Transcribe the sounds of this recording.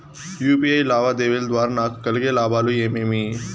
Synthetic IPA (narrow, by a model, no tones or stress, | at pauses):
juːpiːaːilaːʋad̪eːʋeld̪waːɾnaːkʰkəlɡelaːbaːlujeːmeːmiː